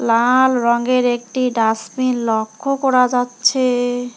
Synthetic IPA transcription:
lalɾɔŋɡeɾek̚ʈiɖasminlɔkʰːokɔɾad͡ʑatːɕʰe

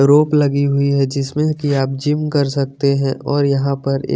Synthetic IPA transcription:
ɾoːplɐɡiɦʊiɦɛd͡ʒɪsmẽkiaːp̚d͡ʒɪmkɐɾsɐk̚t̪eɦɛ̃ʔɔːɾjɐɦãpɐɾḛː

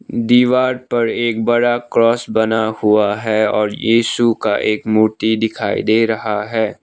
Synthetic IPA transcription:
d̪iːʋaːɾpɐɾeːk̚bɐɽakɾɔːsbɐnahuaɦɛɔːɾjiːsuka̰ʔeːkmʊɾt̪id̪ɪkʰaːḭd̪eːɾɐɦaɦɛː

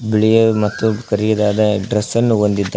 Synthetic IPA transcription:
biɭijɐmɐt̪ːukɐɾijɐd̪aːd̪ɐɖɾɐsɐnːuond̪id̪ːɐ

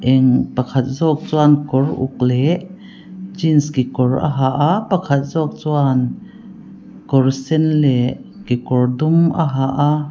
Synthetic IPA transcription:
ʔɛŋpɐkʰat̪̚zɔk̚t͡suankɔrʔṵk̚lɛʔ | d͡ʒinskikɔrʔa̰ɦaʔapakʰat̪̚zɔk̚t͡suan | kɔrsɛnlɛʔkikɔrd̪umʔa̰ɦaʔa

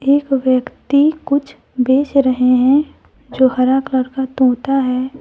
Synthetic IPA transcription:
eːkʋjəkt̪ikʊt͡ʃʰ | beːt͡ʃɾəɦeɦɛ̃ | d͡ʒoːhɐɾakləɾkat̪õːt̪aɦɛː

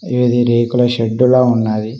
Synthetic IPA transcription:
eːd̪iɾeːkulɐʃeɖːuloːunːaːji

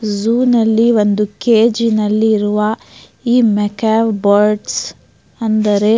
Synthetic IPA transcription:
zuːnɐlːiʋo̞nd̪ukeːd͡ʒinɐlːiːɾuʋɐ | iːmɛkaːʋbɐɾɖs | ɐnd̪ɐɾe̞

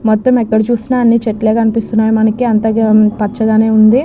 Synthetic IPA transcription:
mɔt̪ːɐmɛkːɐɽit͡ʃuːsinaːɐnːit͡ʃeʈleːkɐnipist̪unːaːjumɐnɐkiɐnt̪ɐpɐt͡ʃːɐɡaːne̞ːund̪i

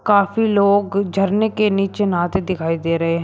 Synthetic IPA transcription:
kaːfiloːɡd͡ʒʱəɾnekeniːt͡ʃenaːt̪ed̪ɪkʰaːid̪eːɾɐɦeɦ

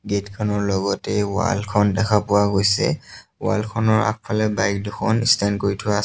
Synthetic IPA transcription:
ɡetkʰɔnɔɹlɔɡɔtɛwa̰lkʰɔndɛkʰapʊwaɡojsɛ̰wa̰lkʰɔnɔɹa̰k̚pʰalɛbajk̚duxʰɔnistʰankoɹitʰʊwa

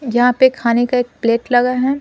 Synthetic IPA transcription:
jɐɦãpekʰaːnekaeːk̚pleːʈlɐɡaɦɛ

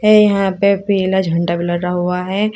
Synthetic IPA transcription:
ɛjɐɦãpebiːlad͡ʒʱɐ̃ɳʈabʱiləɡɾaɦuaɦɛ

